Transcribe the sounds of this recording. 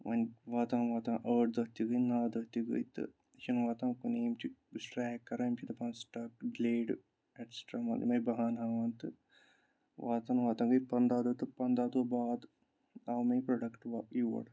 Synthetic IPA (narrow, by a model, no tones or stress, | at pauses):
ʋʔɐ̰nʲʋaːt̪ãnʋaːt̪ãnʔəːʈ̚d̪ɐt̪iɡəjnaːd̪ɐt̪iɡə̰jt̪ɨ̰ | t͡ʃʰinʋaːt̪ãːkuneːmt͡ʃʰisʈɾɛːkːɐɾamt͡ʃʰid̪ɐpãːnsʈɐkɖleːɖ | eʈsʈɾaːmɐ̰lḭmɐbɐɦaːnɦaːaːnt̪ɨ | ʋaːt̪ɐnʋaːt̪ãːɡɨjpɐnd̪aːd̪ut̪ɨpɐnd̪aːd̪obaːd̪ | awmepɾoɖɐkʈʋaiʋɐ̰ɽ